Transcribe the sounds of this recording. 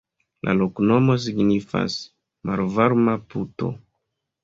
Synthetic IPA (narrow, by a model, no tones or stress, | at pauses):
lʔa̰lokno̞mo̞s̬iɡnifa̰s | maɾvaɾmaputo̞̰